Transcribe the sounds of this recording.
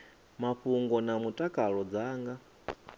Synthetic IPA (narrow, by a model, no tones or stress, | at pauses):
maɸuŋɡɔnamutʼakʼaɺɔd͡zaːŋɡa